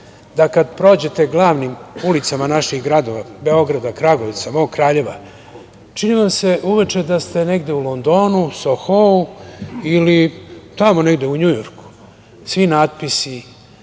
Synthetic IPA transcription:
d̪akad̪pɾo̞ːd͡ʑe̞t̪e̞ɡlˠaːʋnimulit̪samanaʃixɡɾad̪o̞ʋabe̞o̞ɡɾad̪akɾaɡo̞ʋit̪samo̞ːɡkɾaːʎe̞ʋa̰ | t͡ʃiniʋamse̞ʔuʋet͡ʃe̞d̪ast̪e̞ne̞ɡd̪e̞ulo̞nd̪o̞ːnusoxouilit̪amo̞ne̞ɡd̪e̞uɲujoɾku̥ | sʋinaːd̪pisi

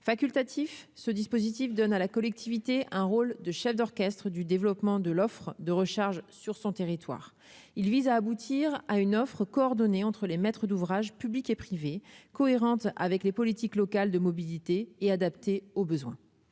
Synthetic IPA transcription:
fakʲylt̪at̪ʰifsəd̪ispozit̪ifd̪ɔnalakɔlɛk̚t̪ʰivit̪eʔɛ̃ʁold̪əʃɛfd̪ɔʁkʲɛst̪χəd̪yd̪evlɔpmɑ̃d̪əlɔfχəd̪əʁəʃaʁʒsyʁsɔ̃t̪eʁit̪wa̰ːʁ | ilvizaːbut̪ʰiʁaynɔfχəkɔːʁd̪ɔneɑ̃t̪χəlemɛt̪χəd̪uvʁaʒpyblikepχivekɔeʁɑ̃t̪a̰vɛklepɔlit̪iklɔkald̪əmɔbilit̪eːad̪apt̪eobəzwɛ̃

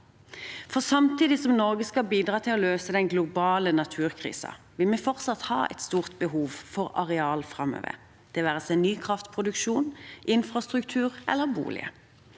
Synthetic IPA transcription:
fɔʁsɑmt̪iːd̪ɪsɔmnɔʁɡəskɑlbiːd̪ʁɑːt̪ʰɪlɔløːsəd̪ɛnɡlʊbɑːlənɑt̪ʰʉːʁkʰʁḭːsɑ̰ | ʋɪlmɛfɔʁt̪sɑt̪hɑ̰ːɛ̰ɪt̪st̪uːʁt̪̚bəɦuːʋfɔʁɑ̰ʁɛɑːlfʁɑmø̰ːʋə̰ʁ | d̪̥ɛːʋæːʁəsɛɪnyːkʰʁɑft̪pʰʁʊd̪ʉkʃuːnʔɪnfʁɑst̪ʁʉkt̪ʰʉːʁʔɛ̰lːəʁbṵːlɪ̰ə̰

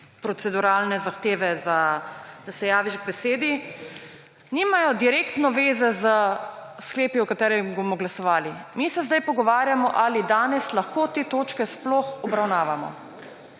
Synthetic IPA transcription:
pɾɔt̪sɛd̪uɾaːlnɛzaxt̪eːʋɛzad̪̥asɛjaːʋiʒɡbɛseːd̪i | niːmajɔd̪iɾeːkt̪nɔʋeːzɛzəskleːpiɔkat̪ɛːɾɛmbomɔɡlasɔʋaːlimisɛzd̪ajpɔɡɔʋaːɾjamɔʔalid̪aːnɛslaxkoːt̪eːt̪oːt͡ʃkɛsplɔxɔbɾawnaːʋamɔ̰

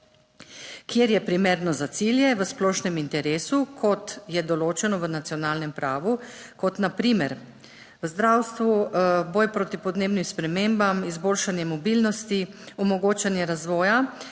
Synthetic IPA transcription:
kjeɾjɛpɾimeːɾnɔzat̪siljɛʋəsplɔːʃnɛmint̪ɛɾeːsukʰɔt̪jɛd̪ɔloːt͡ʃɛnɔʋənat̪sjɔnaːlnɛmpɾaːʋu | kɔt̪napɾiːmɛɾ | ʋəzd̪ɾawst̪ʋubɔːjpɾoːt̪ipɔd̪neːbnimspɾɛmeːmbamizboːlʃanjɛmɔbilnɔst̪iɔmɔɡoːt͡ʃanjɛɾazʋɔːja

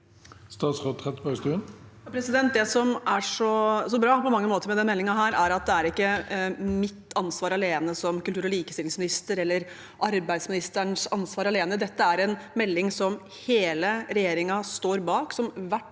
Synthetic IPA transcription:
st̪ɑːt̪sʁoːt̪ʰɛt̪bɑɡst̪ʉːənjɑpʰɾɛsɪd̪ɛnt̪̚d̪ɛsɔmæʂɔsɔbɾɑːpɔmɑŋːəmoːt̪əɾmɛd̪ɛnmɛlːɪŋɑɦæːɾæɾɑt̪̚d̪ɛæɾɪkːəmɪt̪ːɑnsʋɑːɾɑleːnəsɔmkʉlt̪ʉːɾɔliːkəst̪ɪlɪŋsmɪnɪst̪əɾɛlːəɾ | ʔɑɾbæɪd̪smɪnɪst̪əɳʂɑnsʋɑːɾɑleːnəd̪ɛt̪ːəæɾɛnmɛlːɪŋsɔm | heːləɾɛjeːɾɪŋɑst̪oːɾbɑːksɔmʋæʈː

